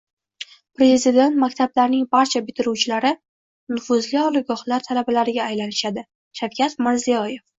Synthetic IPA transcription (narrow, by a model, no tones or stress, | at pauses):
pɾe̞zzid̪e̞nt̪makʲt̪ʰablaɾnɪŋbaɾt͡ʃʰabɪt̪ʰɪɾuwt͡ʃʰɪlaɾɪ | nʊfʊzliɒlɪɡɒχlaɾt̪ʰalabalaɾɪɡʲaːjlanɪʃad̪ɪ | ʃawkʲʰat̪mɪɾzijɒje̞f